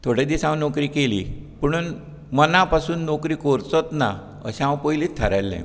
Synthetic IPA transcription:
t̪ʰoɽed̪isãw̃nɔkɾiːkelḭpəɽ̃uːn | mənapasuːnːokɾiːkoɾt͡sɔt̪na̰ | ə̰ɕãwpojliːt̪ʰːəɾajlːɛ̰̃

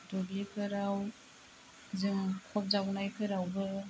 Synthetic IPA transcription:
dobekʰɯɾaw | zɯŋkʰɔp̚zawnajkʰɯɾawbɯ

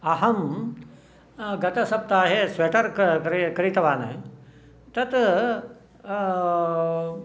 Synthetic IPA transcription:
ɐɦɐm | ɡɐt̪ɐsɐb̚t̪aːɦesʋeːʈɐɾɾkɐɾit̪ɐʋaːnɐ̰ | t̪ɐt̪

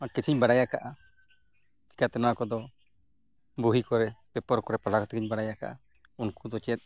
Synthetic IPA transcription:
akit͡ʃʰiɲbaɽajakaʔa | t̪i̥kat̪ɛnawakɔd̪ɔ | buɦikɔɾɛpɛpɔɾkɔɾɛpalakɔt̪ɛkiɲbaɽajaka̰ʔa̰ | unkud̪ɔt͡ʃɛt̪̚ˀ

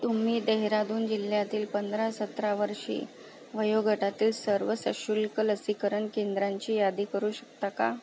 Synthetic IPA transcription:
t̪um̤iːd̪eɦɾad̪uːnd͡ʑil̤jat̪iːlpənd̪ɾasət̪ɾaʋəɾʂḭː | ʋəjoɡʱəʈat̪iːlsəɾʋəsə̰ɕulkələsikəɾəɳkend̪ɾaɲt͡ɕiːjad̪iːkəɾuːɕək̚t̪aka̰

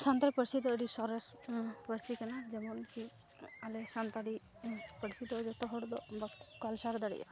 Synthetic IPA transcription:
sant̪ɾipəɽsid̪ɔəɽisɔɾɛspəɾsikɛnad͡ʒɛmɔnki | alɛsant̪aɽi | pəɽsid̪ɔd͡ʒɔt̪ɔɦɔɽd̪ɔbakalsaɾd̪aɽḭʔa̰

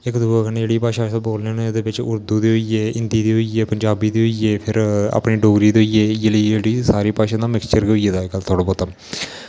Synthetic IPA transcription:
ɪkd̪uːakəneːd͡ʒeːɽiːpaːʃaːaboːlnened̪eːbɪt͡ʃʊɾd̪uːd̪eːɦoiːeːɪnd̪iːd̪iːɦoiːeːpəɲd͡ʒaːbiːd̪iːɦoiːeːpʰɪɾa̰ːpniːɖoːɡɾiːd̪eoieːeləiːd͡ʒeːɽiːsaːɾiːpaːʃãːd̪aːmɪkst͡ʃəɾɡoiːeːd̪aːɪkəlt̪ʰoːɽaːbɔːt̪aːm

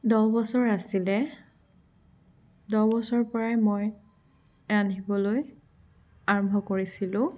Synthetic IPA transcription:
dɔbɔsɔɹasilɛ | dɔbɔsɔɹpɔɹajmoj | anibɔloj | aɹɔmbʱɔkoɹisilʊ̃

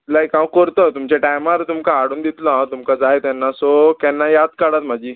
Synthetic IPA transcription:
lajkãʋ̃kəɾt̪ɔt̪umt͡ɕeʈajmaɾt̪umkaɦaɽuːnd̪it̪lɔɦãt̪umkad͡zajet̪jɛnːasɔkɛnːajad̪̚kaɽat̪m̤ad͡ʑiː

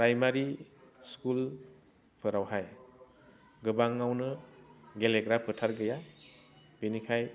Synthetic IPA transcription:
ɾajmaɾiskul | pʰɯɾawhaj | ɡɯbaŋːawnɯɡeleɡɾapʰɯtʰaɾɡɯja | b̥inikʰaj

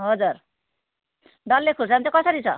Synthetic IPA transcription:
ɦʌd͡zur | ɖʌlːekʰusant͡sʰʌkʌsʌɾit͡sʰʌ

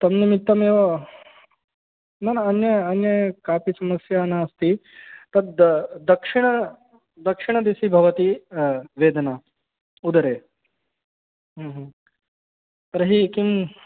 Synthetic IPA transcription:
t̪ɐmnimit̪ːɐmeːʋɐ | nɐnɐnjɐɐnjɐjkaːpisɐmɐsjaːnaɐst̪it̪ɐd̪d̪ɐkʂiɳ̃ɐ | d̪ɐkʂiɳ̃ɐd̪isibʱɐʋɐt̪iʋeːd̪ɐnaː | ud̪ɐɾeː | ɦɐ̃ːɦː | t̪ɐɾɐɦikim

